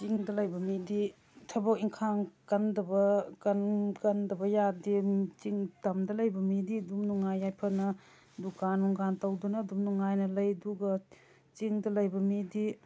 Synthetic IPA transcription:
t͡ʃiŋdɐlɐjbɐmidi | tʰɐbɐkiŋkʰaŋkɐndɐbɐkɐnkɐndɐbɐjadit͡ʃiŋtɐmdɐlɐjbɐmididumnuŋajːajpʰɐnɐ | dukanːuŋɡantɐwdunɐdumnuŋajnɐlɐjduɡɐ | t͡ʃiŋdɐlɐjbɐmidi

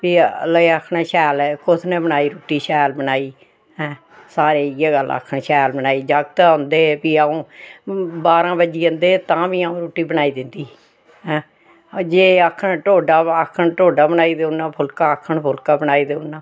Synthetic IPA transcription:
piːləeəkʰɳeːʃɛːlkʊt̪ʰnẽːbənaːiːɾuːʈiːʃɛːlbənaːiː | ɦɛ̃ː | saːɾeːjeːɡəl̰ːə̰kʰːəɳʃɛːlbənaːiːd͡ʒəɡt̪ːʊ̃nd̪eːpiːaũː | baːɾãːbəd͡ʒiːə̃nd̪eːt̪ãːʋĩːaːõːɾuːʈiːbənaːiːd̪ɪnd̪iː | ɦɛ̃ː | d͡ʒeːəkʰːənʈoːɖaːəkʰːəɳʈoːɖaːbənaːiːd̪eʊnːãːpʰʊlkaːəkʰːəɳpʰʊlkãːbənaːiːd̪eʊnːãː

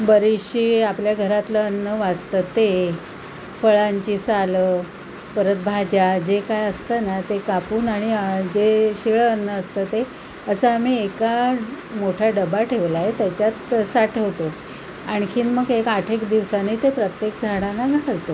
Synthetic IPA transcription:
bəɾiɕiːapljaɡʱəɾat̪ləənːəʋad͡zt̪ət̪e | fəɭaɲt͡ɕiːsalə | pəɾət̪̚bʱad͡ʑad͡ʑekajəst̪ənat̪ekapuːnaɽ̃id͡ʑeɕiɭəənːəəst̪ət̪e | əsəːmiːeka | moʈʰaɖəbaʈʰeʋlaɦet̪jat͡ɕjat̪saʈʰeʋt̪o | aɽ̃kʰiːnməɡekaʈʰekd̪iʋsanet̪epɾət̪jekd͡zʱaɽanaɡʱɾt̪o

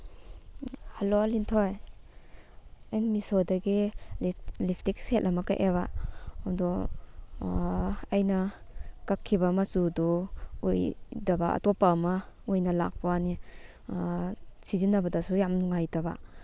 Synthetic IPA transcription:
haloalintʰɔj | anmisɔdaɡillipʰtik̚set̚lamaka̰ʔeβa̰dɔ | ajna | kakʰːibamasudɔujdabaa̰tɔpamaujnala̰k̚pani | sizinːabadasujamnuŋajdaba̰

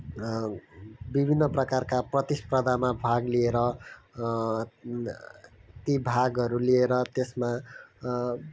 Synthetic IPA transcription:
bibʱinːʌprʌkarkaprʌt̪isprʌd̪ʱamabʱaɡlieɾʌ | t̪ibʱaɡɦʌɾulieɾʌt̪esma

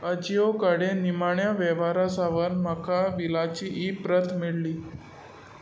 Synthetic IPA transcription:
əd͡ʑijokəɽenimaɳjaʋɛʋaɾasaʋəɾmakaʋilat͡ɕiːʔipɾət̪miɭliː

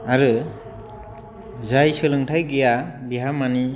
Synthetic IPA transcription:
aɾɯ | zajsɯlɯŋtʰajɡijabiɦamani

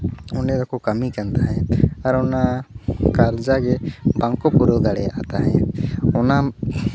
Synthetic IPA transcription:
ʊned̪ɔkokəmikənd̪aɦɛ̃əɾʊnakaɾd͡ʒakebaŋkopuɾoɡaɽea̰t̪aɦɛʊna

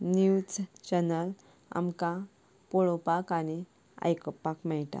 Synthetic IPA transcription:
nut͡st͡ɕənəl | a̰mka | pɔɭɔpakani | a̰jkɔpakmɛɭʈa̰

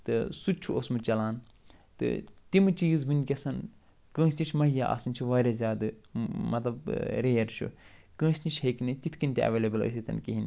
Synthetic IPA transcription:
t̪ɨsut͡ʃʰuosmɨt͡ʃɐlaːn | t̪ɨ̰t̪imɨt͡ʃiːzbɨnʲkʲɐsɐn | kə̃ːsʲt̪ʲit͡ʃʰmɐɦjaːʔa̰sɨnʲt͡ʃʰiʋaːɾʲezʲjaːd̪ɨmɐt̪lɐb̚ɾeːɐɾt͡ʃʰṵkə̃ːsʲt̪it͡ʃheknɨt̪ʲit̪ʰkinʲt̪ʲiɐ̰ʋeːlebɨlə̰ːs̬ʲit̪ɐ̰nkiɦin

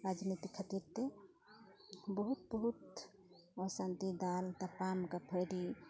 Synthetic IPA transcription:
ɾad͡ʒnit̪ikʰət̪iɾt̪e | bəɦut̪̚bəɦut̪ | ɔsãnt̪id̪alt̪apamkapʰəɽi

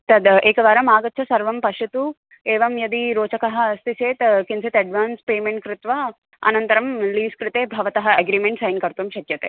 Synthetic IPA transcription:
t̪ɐd̪eːkɐʋaːɾɐmaːɡɐt̪ːt͡ʃʰɐsɐɾʋɐmpɐʃɐt̪u | eːʋɐmjɐd̪iɾoːt͡ʃɐkɐɦɐ̆st̪iseːt̪kinsit̪ɐɖʋaːnspeːmeɳʈ̚kɾɪt̪ʋa | ɐ̰nɐnt̪ɐɾɐmliːskɾɪt̪eːbʱɐʋɐt̪ɐɦɐɐɡɾiːmeɳʈsɐjnkɐɾt̪umʃɐkjɐt̪ḛː

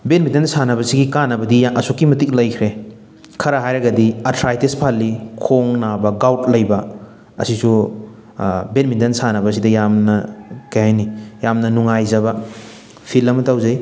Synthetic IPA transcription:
benmidensanɐbɐsiɡikanːɐbɐdijʔɐsukːimɐtik̚lɐjkʰɾe | kʰɐɾɐɦajɾɐɡɐdiɐtʰɾajtispʰalːikʰoŋnabɐɡawt̚lɐjbɐ | ɐ̰sisu | benmidensanɐbɐs̬idɐjamnɐkɐjhajnijamnɐnuŋajzɐbɐ | pʰilːɐmɐtawzɐj

